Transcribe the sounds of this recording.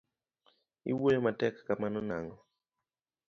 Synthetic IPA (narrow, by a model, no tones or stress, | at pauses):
ḭwojomatɛkːamanɔna̰ŋɡɔ